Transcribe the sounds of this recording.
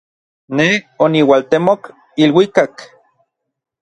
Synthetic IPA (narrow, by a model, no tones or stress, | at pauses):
neh | oniwalt̪emok | ilwikak